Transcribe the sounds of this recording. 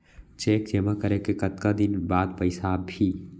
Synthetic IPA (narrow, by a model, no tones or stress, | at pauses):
t͡ʃeːkd͡ʒeːmakəɾekekət̪kad̪ɪnbaːd̪pəɪsabʱi